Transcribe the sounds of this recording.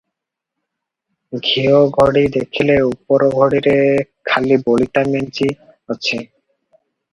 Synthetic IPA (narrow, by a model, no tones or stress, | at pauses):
ɡʱioɡʱoɽid̪ekʰileupoɾoɡʱoɽiɾekʰalibolit̪ament͡ɕi | ot͡ɕʰe